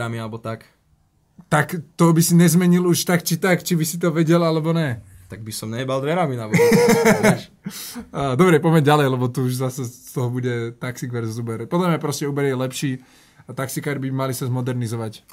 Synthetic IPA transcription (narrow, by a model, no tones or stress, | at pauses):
amialɛbɔt̪ak | t̪akt̪ɔbisiɲɛzmɛɲiluʃt̪akt͡ʃit̪akt͡ʃibisit̪̬ɔʋɛɟɛlalɛbɔnɛt̪aɡ̚bisɔmɲɛbald̪ʋɛɾaminabɔ | d̪ɔbɾɛpɔmɛɟalɛjlɛbɔt̪uuʒzasɛst̪ɔɦɔbuɟɛt̪aksiɡʋɛɾzubɛɾpɔd̪lamɲapɾɔscɛuːbɛɾjɛlɛpʃiː | t̪aksikaːɾbimalisazmɔd̪ɛɾnizɔʋac